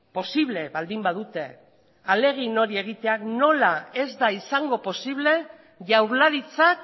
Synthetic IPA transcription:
po̞siβle̞βald̪imbaðut̪e̞ | ale̞ɣ̞ino̞ɾie̞ɣ̞it̪e̞akno̞lae̞zd̪aisaŋɡo̞po̞siβ̞le̞ | ʝawɾlaɾit͡sak

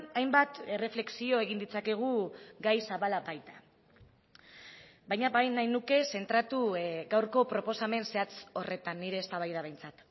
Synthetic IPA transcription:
ajmbat̪e̞re̞fle̞ksio̞e̞ɣind̪it͡sake̞ɣ̞uɡajsaβalabajt̪ḁ | bajɲabajnajnuke̞se̞nt̪ɾat̪uɡawɾko̞pɾo̞po̞same̞nse̞at͡so̞re̞t̪anːiɾe̞ːst̪aβ̞ajð̞aβe̞jnt͡sat̪

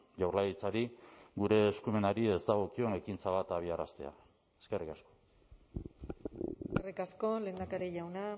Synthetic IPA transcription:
ʝawrlajit͡saɾiɡuɾe̞ːskume̞naɾie̞zt̪aɣ̞o̞kio̞ne̞kint͡saβ̞at̪aβiaɾast̪e̞̰a̰ | eske̞rikasko̞̥ | skerikasko̞le̞ːnd̪akaɾeʝawna

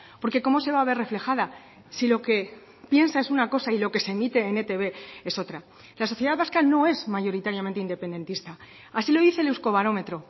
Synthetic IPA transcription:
po̞ɾke̞ko̞mo̞se̞βaːβe̞re̞fle̞xaða | silo̞ke̞ | pje̞nsae̞sunako̞sailo̞ke̞se̞mit̪e̞ːnet̪e̞βe̞e̞so̞t̪ɾa | laso̞θjeðaðβaskano̞e̞zmaʝo̞ɾit̪aɾjamẽ̞nt̪eind̪e̞pe̞nd̪e̞nt̪ist̪a | asilo̞ðiθe̞lewsko̞β̞aɾo̞me̞t̪ɾo̞

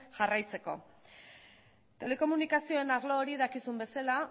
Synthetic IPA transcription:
ʝarajt͡se̞ko̞̰ | t̪e̞le̞ko̞munikasio̞e̞naɾlo̞ːɾiðakisumbe̞sala

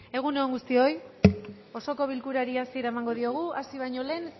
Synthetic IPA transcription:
e̞ɣ̞unooŋɡust̪io̞j | o̞so̞ko̞βilkuɾaɾiasie̞ɾaemaŋɡo̞ð̞io̞ɣuasiβ̞ajɲo̞le̞ːn

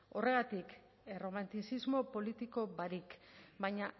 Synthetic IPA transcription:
o̞re̞ɣat̪ik | ero̞mant̪isizmo̞po̞lit̪iko̞baɾikbajɲa

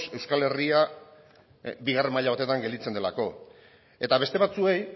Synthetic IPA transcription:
se̞wskale̞ria | biɣare̞maʎaβat̪e̞t̪aŋɡe̞ld̪it͡se̞nd̪e̞lako̞ | e̞t̪aβe̞st̪e̞βat͡sue̞j

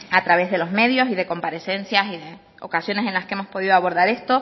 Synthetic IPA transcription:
at̪ɾaβe̞zðe̞lo̞zme̞ðjo̞siðe̞ko̞mpaɾe̞sẽ̞nsjasiðe̞ | o̰kasjo̞ne̞sẽ̞nlaskeemo̞spo̞ðiðoaβo̞ɾðaɾe̞st̪o̞

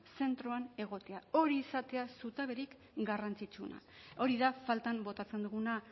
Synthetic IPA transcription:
se̞nt̪ɾoane̞ɣ̞o̞t̪e̞ao̞ɾiːsat̪e̞asut̪aβ̞e̞ɾik | ɡarant͡sit͡ʃuna̰o̞ɾiðafalt̪ambo̞t̪at͡send̪uɣuna

